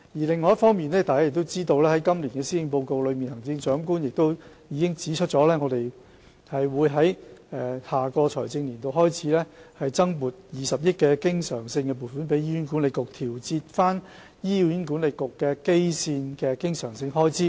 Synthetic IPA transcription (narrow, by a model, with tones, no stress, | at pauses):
jiː˨˩lɪ˨ŋːɔː˨˧jɐ˥tfɔː˥ŋmiː˨nɛː˥t̪aː˨jka˥jk̚t̪o˥wt͡siː˥t̪o˧wlɛː˥hɐ˨˦jkɐ˥mliː˨˩nkɛː˧siː˥jɪ˧ŋpo˧wko˨˧wlɵ˨˧ɥmiː˨nhɐ˨˩ŋt͡sɪ˧ŋt͡ʃœː˨˥mkuː˥njɪ˨k̚t̪o˥w | jiː˨˧kɪ˥ŋt͡siː˨˥t͡ʃʰɵ˥t̚t͡sɔː˨˥lɛː˥ŋɔ˨˧t̪e˨j | hɐ˨jwuː˨˧jɦɐ˨˥jɛː˨haː˨˩kɔː˧t͡sʰɔ̰ː˨˩jt͡sɪ˧ŋliː˨˩nt̪o˧wɦɔː˥jt͡sʰiː˨˥lɛː˥hɐ˨jt͡sɐ˥ŋmuː˨˩t̚jiː˨˧sɐ˨p̚jɪ˥t̚kɛː˧kɪ˥ŋsœ̰ː˨˩ŋsɪ˧ŋkɛ˧p̬u˨˩fuː˨˥npe˨˥jiː˥˩yː˨˥nkuː˨˥nle˨jkʊ˨k̚t̪ʰiː˨˩wt͡siː˧t̚faː˥n | jiː˥jyː˨˥nkuː˨˥nle˨jkʊ˨kːɛː˧ke˥jsiː˧nkɛː˧kɪ˥ŋsœː˨˩ŋsɪ˧ŋɦɔː˥jt͡siː˥